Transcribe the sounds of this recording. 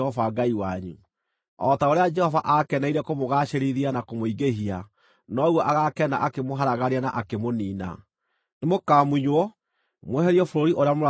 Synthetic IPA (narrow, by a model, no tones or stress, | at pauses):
ɔvaɡaiwaɲṵ | ɔtaoɾead͡ʒɛhɔvaʔakɛnaiɾɛkomoɣaːʃeɾiðianakomoiɡeɦia | nɔɣwɔʔaɣakɛna̰ʔakemoɦaɾaɣaɾianaʔakemoniːna̰ | nemokamuɲwɔ | mwɛɦɛɾiɔfoɾoɾiʔoɾeamoɾa